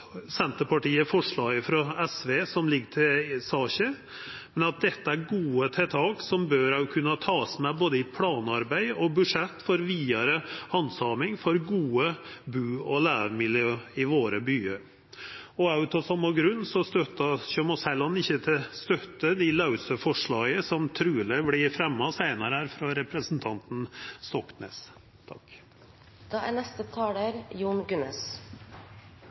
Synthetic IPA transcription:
sɛnt̪əpɑʈiːəfɔʂɭɑːɡəfɾɑɛsʋeːsɔmlɪɡːəʈ̪ʰɪlsɑːɕə | mmɛnɑt̪̚d̪ɛt̪ːəæɾɡuːət̪ʰɛt̪ʰɑːɡsɔmbøːɾɑkʰʉnːɑt̪ʰɑːsmɛboːd̪əɪt̪̚pʰlɑːnɑɾbæɪɔbʉʂɛt̪ːfɔɾʋiːɑɾəhɑnsɑːmɪŋfɔɾɡuːəbʉːɔlæːɾmɪljøːɪʋoːɾəbyːəɾ | ɔɑʉt̪ɔsɑmːɑɡɾʉnːsɔst̪œt̪ːɑɕømɔsɛlɑnɪçːət̪ʰɪlst̪œt̪ːəd̪ɪlɑʉsəfɔʂɭɑːɡəsɔmt̪ʰɾʉːləblɪɾfɾɛmːɑsæɪnɑɾəhæɾfɾɑɾɛpɾəsn̩t̪ʰɑnt̪n̩st̪ɔknḛːs | t̪ʰɑ̰k | d̪̥ɑːæ̰nɛst̪ət̪ʰɑːləɾjuːɳɡʉnəs

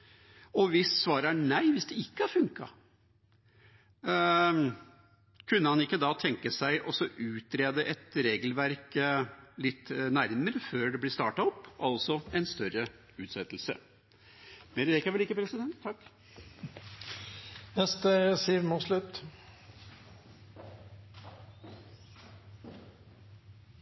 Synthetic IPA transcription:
ɔʋɪssʋɑːɾæɳæɪʋɪsd̪ɛɪkːəɑɾfʉŋkɑ̰ | kʰʉnːəhɑnɪkːəd̪ɑt̪ʰɛŋkəsæɪʔɔsɔʔʉːt̪ɾeːd̪əʔɛt̪ɾeːɡlʋæɾk | lɪt̪ːnæɾməɾəføːɖɛblɪst̪ɑːʈɑɔpːɑlsɔɛɪnst̪œɾə | ʉːt̪sɛt̪ːlsə̰ | mɛɾəɾɛkɑʋɛlɪkːəpʰɾɛsɪd̪ɛnt̪ʰːɑkː | nɛst̪əsiːʋmɔslʉt̪ː

